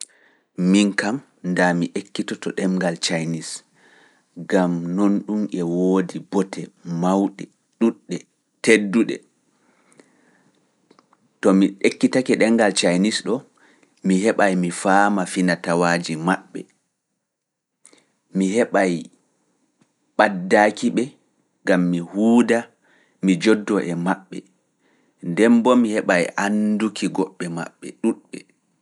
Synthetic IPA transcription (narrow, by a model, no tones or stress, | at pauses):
miŋkam | ndamiʔekːitɔtɔɗɛŋɡalt͡ʃajnis | ɡamnonɗumʔɛwoːdibɔtɛmawɗɛ | ɗuɗːɛ | tedːuɗɛ̰ | tɔmiɗekːitakɛɗɛŋɡalt͡ʃajnisɗɔ | mihɛɓajmifaːmafinatawaːd͡ʒimaɓːɛ̰ | mihɛɓaj | ɓadːakiɓɛ | ɡamːihuːda | mid͡ʒɔdːɔʔɛmaɓːɛ̰ | ndɛmbɔmihɛɓajʔandukʰiɡɔɓːɛma̰ɓːɛ̰ɗuɗɓɛ